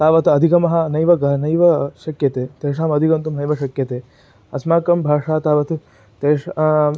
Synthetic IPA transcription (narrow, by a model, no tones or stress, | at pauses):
t̪aːʋɐt̪ɐd̪ʱikɐmɐɦɐ̆nɐjʋɐɡɐnɐjʋɐʃɐkjɐt̪eːt̪eːʂ̬aːmɐd̪ʱikɐnt̪umnɐjʋɐʃɐkjɐt̪eː | ɐsmaːkɐmbʱaːʂaːt̪aːʋɐt̪ʰ | t̪eːʂ